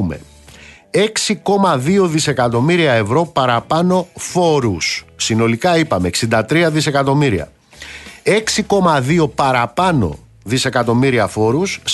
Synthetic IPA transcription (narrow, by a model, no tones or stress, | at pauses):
me̞̰ | e̞ksiko̞mɐðio̞ðise̞kɐt̪o̞miɾiɐe̞vɾo̞pɐɾɐpɐno̞fo̞ɾusːino̞likɐipɐme̞ksind̪ɐt̪ɾiɐðise̞kɐt̪o̞miɾiɐ̰ | e̞ksiko̞mɐðio̞pɐɾɐpɐno̞̰ | ðise̞kɐt̪o̞miɾiɐfo̞ɾus